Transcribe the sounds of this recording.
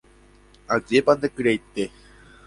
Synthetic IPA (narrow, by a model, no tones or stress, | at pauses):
aziepand̪ekɨɾejt̪ːe